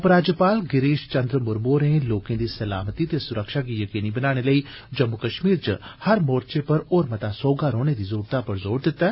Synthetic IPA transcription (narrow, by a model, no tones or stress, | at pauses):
ɐpɾaːd͡ʒəpaːlɡɪɾeːʃt͡ʃə̃nd̪ɾəmʊɾboːɾnẽːloːkẽːd̪iːsəla̰ːmət̪iːt̪esʊɾəkʃaːkiːjəkiːniːbənaːɽ̃eləiː | d͡ʒəmːukəʃmiːɾt͡ʃhəɾmoːɾt͡ʃepəɾoːɾmət̪aːsɔːɡaːɾoːñed̪iːzoːɾt̪apəɾzoːɾd̪ɪt̪ːɛː